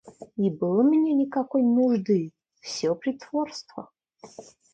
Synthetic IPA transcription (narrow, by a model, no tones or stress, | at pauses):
ibɨlˠəmnʲenʲikakojnuʐd̪ɨ | fsʲɔpɾʲit̪ʰvorst̪vɐ̰